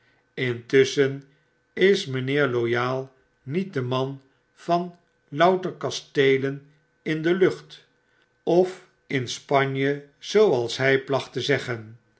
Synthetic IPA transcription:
ɪntʏsən | ɪsmənɪːɹlojaːlˠ | nit̚dəmɑn | fɑn | lɑwtəɹkɑstejlən | ɪndəlɵχt | ɔf | ɪnspɑɲjəz̥owɑlˠsɦɛjplɑχtəzɛχən

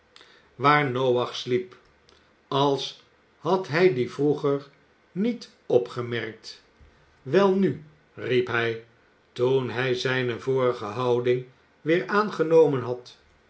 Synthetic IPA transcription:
ʋaːɹnowɑχslip | ɑlˠs | hɑtɦɛjdivruχəɹ | nit | ɔpχəmɛɹk̚t | ʋɛlˠny | ripɦɛj | tunɦɛjzɛjnəvʊːrəχəɦɑwdɪŋ | ʋɪːɹʔaːnχənowmənɦɑt

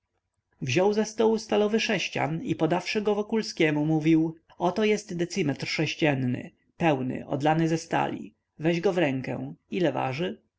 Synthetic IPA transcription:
vʑɔwzɛst̪ɔwust̪alɔvɘʂɛɕt͡ɕa̰nipɔd̪afʂɘɡɔvɔkulskʲɛmumuvʲiw | ɔt̪ɔjɛst̪d̪ɛt̪sɘmɛt̪rʂɛɕt͡ɕɛnːɘ̰ | pɛwnɘ̰ʔɔ̰d̪lanɘzɛst̪a̰lʲḭ | vɛʑɡɔvɾɛŋkɛ̰̃ilɛva̰ʐɘ

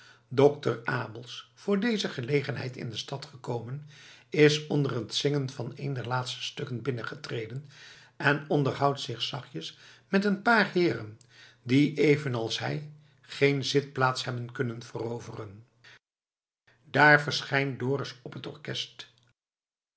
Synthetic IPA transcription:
dɔktəraːbəlˠsfʊːɹdejzəχəlejχənɦɛ̰jtɪ̰ndəstɑtχəkowmənɪsɔndərətsɪŋənvɑnejndɛɹlaːtstə̥støkənbɪnəχətrejdən | ɛnɔndəɹɦʌwtsɪχsɑχjəsmɛtənpaːɹɦɪːrə̰n | diʔejvənɑlˠsɦɛj | χejnzɪt̚plaːtsɦɛbənkɵnənv̥ərowvərən | daːɹvəɹsχɛjndʊːrəsɔpɦətɔɹkɛst

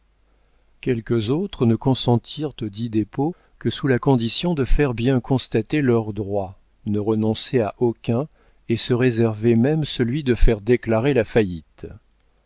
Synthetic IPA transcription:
kʲɛlkəzot̪χənəkɔ̃sɑ̃t̪ʰiʁt̪od̪id̪epo | kəsulakɔ̃d̪isjɔ̃d̪əfɛʁbjɛ̃kɔ̃st̪at̪elœʁd̪ʁwa | nəʁənɔ̃seaʔokʲɛ̃ | esəʁezɛʁvemɛmsəlɥid̪əfɛʁd̪eklaʁelafajit̪

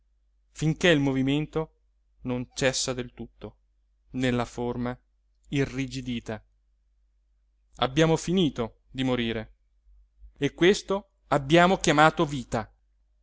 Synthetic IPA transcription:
fiŋkeilmoviment̪o | nont͡ʃɛsːad̪elt̪ut̪ːo | nelːaforma | irːid͡ʒid̪iːt̪a | a̰bːjaːmofiniːt̪o | d̪imoɾiːɾe | ekːwest̪o | abːjaːmokjamaːt̪oviːt̪a

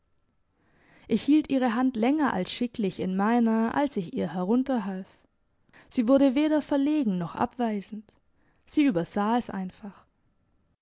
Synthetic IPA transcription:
ʔɪçhiːltʔiːʁ̞əɦantlɛŋɐʔa̰lsʃɪklɪçɪnmaɪnɐʔa̰lsɪçiːɐɦɛʁ̞ʊntɐɦalf | z̥iːvʊɐɾəveːɾɐfɛɐleːɡŋ̩nɔχʔa̰pv̥aɪzn̩t | z̥iːʔyːbɐz̥aːɛsʔa̰ɪnfaχ

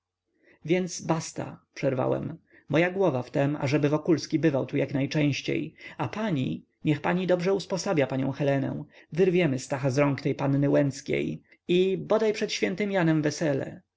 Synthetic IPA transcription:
vʲjɛndt̪sbast̪a̰pʂɛɾva̰wɛ̰m | mɔjaɡwɔvaft̪ɛma̰ʐɛbɘvɔkulskʲibɘvawt̪ujaknajt͡ʂɛ̃w̃ɕt͡ɕḛjapaɲi | ɲɛxpaɲid̪ɔbʐɛuspɔsabʲjapaɲɔ̰̃w̃xɛlɛnɛ̰̃w̃vɘɾvʲjɛmɘst̪axazɾɔŋkt̪ɛjpanːɘwɛnt̪skʲḛj | ibɔd̪ajpʂɛt̪ɕfʲjɛnt̪ɘmjanɛmvɛsɛlɛ̰

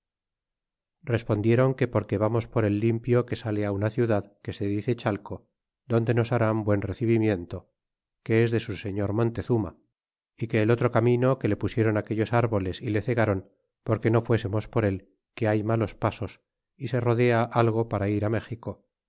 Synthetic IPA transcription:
re̞spo̞nd̪je̞ɾo̞ŋke̞po̞ɾke̞βamo̞spo̞ɾe̞lːimpjo̞ke̞sale̞aunaθjuðaðke̞se̞ðiθe̞t͡ʃalko̞ | ðo̞nd̪e̞no̞saɾambwe̞nreθiβimje̞nt̪o̞ | ke̞ezðe̞suse̞ɲo̞ɾmõ̞nt̪e̞θuma̰ | ike̞ːlo̞t̪ɾo̞kamĩno̞ke̞le̞pusje̞ɾo̞nake̞ʎo̞saɾβo̞le̞sile̞θe̞ɣaɾo̞n | po̞ɾke̞no̞fwe̞se̞mo̞spo̞ɾe̞l | ke̞ajmalo̞spaso̞s | ise̞ro̞ðe̞aʔalɣo̞paɾaiɾame̞xiko̞

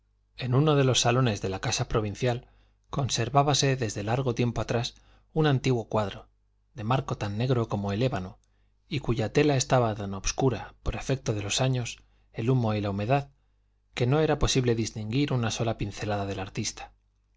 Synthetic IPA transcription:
e̞nuno̞ðe̞lo̞sːalo̞ne̞zðe̞lakasapɾo̞β̞in̟θjal | ko̞nse̞ɾβaβase̞ðe̞zðe̞laɾɣ̞o̞t̪je̞mpo̞at̪ɾas | unant̪iɣwo̞kwaðɾo | ðe̞maɾko̞t̪anːe̞ɣ̞ɾo̞ko̞mo̞ele̞βano | ikuʝat̪e̞lae̞st̪aβat̪ano̞bskuɾapo̞ɾe̞fe̞k̚t̪o̞ð̞e̞lo̞saɲo̞s | e̞lumo̞ilaume̞ðað | ke̞no̞e̞ɾapo̞siβle̞ðist̪iŋɡiɾunaso̞lapin̟θe̞laðaðe̞laɾt̪ist̪ḁ

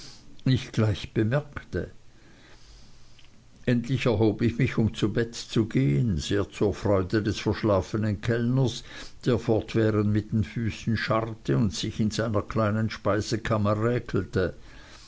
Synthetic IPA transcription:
ɪçɡ̥laɪçb̥əmɛɐktə̰ | ʔɛntlɪçɛɐɦoːbɪçmɪçʊmt͡subɛtt͡suɡeːənz̥eːɐt͡suːɐfʁ̥ɔʏdədɛsfɐʃlaːfənənkʰɛlnəs | d̥eːɐfɔʁtv̥ɛːʁəntmɪt̚d̥enfyːsn̩ʃaʁtʰəʊntsɪçɪnzaɪnɐkʰl̥aɪnənʃpaɪzəkʰaməʁɛːkʰl̩tə

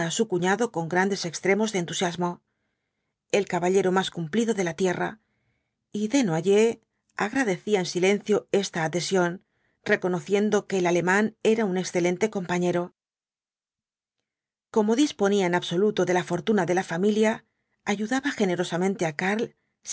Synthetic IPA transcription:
aːsukuɲaðo̞ko̞ŋɡɾand̪e̞se̞kst̪ɾe̞mo̞zðent̪usjazmo̞ | e̞lkaβaʎe̞ɾo̞maskumpliðo̞ðe̞lat̪je̞ra | iðenoaʝe̞ | aɣɾaðe̞θiaensilẽ̞nθjo̞e̞st̪aːðe̞sjo̞n | re̞ko̞no̞θje̞nd̪o̞ke̞ːlale̞mãne̞ɾaune̞ksθe̞lẽ̞nt̪e̞ko̞mpaɲe̞ɾo̞ | ko̞mo̞ðispo̞niaenaβso̞lut̪o̞ðe̞lafo̞ɾt̪unaðe̞lafamiljaː | ʝuðaβaxe̞ne̞ɾo̞samẽnt̪e̞akaɾl

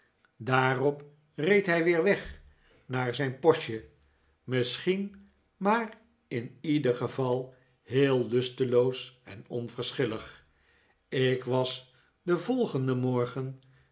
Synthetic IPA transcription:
daːrɔp | rejtɦɛjʋɪːɹʋɛχ | naːɹzɛjnpɔʃə | mɪsχin | maːr | ɪnidəχəvɑlˠ | ɦeːlˠːʏstəlowsɛ̰nɔ̰nvəɹsχɪləχ | ɪkʋɑs | dəvɔlˠχəndəmɔɹχən

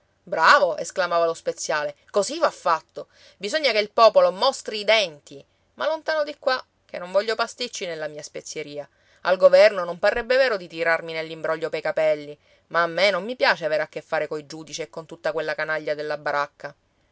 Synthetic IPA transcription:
bɾaːvoʔḛsklamaːvalospet̪sːjaːlekozivafːat̪ːo | bizoɲːakeilpɔːpolomɔst̪ɾiːd̪ɛnt̪i | malːont̪aːnod̪ikːwa | k̟ḛnːoɱvɔʎːopast̪it͡ʃːinelːamiːaspet̪sːjeɾiːa | alɡovɛrnonomparːɛbːeveːɾod̪it̪iɾarminelːimbɾɔʎːopejkapɛlːi | maːmːenomːipjaːt͡ʃeaveːɾakːefːaːɾekojd͡ʒuːd̪it͡ʃiekːont̪ut̪ːakwelːakanaʎːad̪elːabaɾakʰːa

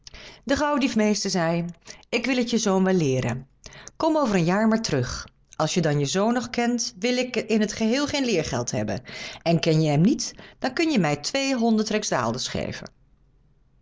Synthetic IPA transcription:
dəχɑwədifmejstəɹzɛjɪkʋɪlətjəzownʋɛlɪːɾə̰n | kɔmowvəɾənjaːɹmaːɹtərɵχ | ʔɑlˠsjədɑnjəzownɔχkɛntʋɪlɪkɪnɦətχəɦɪːlˠχejnlɪːɹχɛlˠtɦɛ̰bə̰nɛnkɛnjəɦɛmnitd̥ɑnkɵnjəmɛjtʋejɦɔndətrɛkzda̰ːlˠdəsχḛjvə̰n

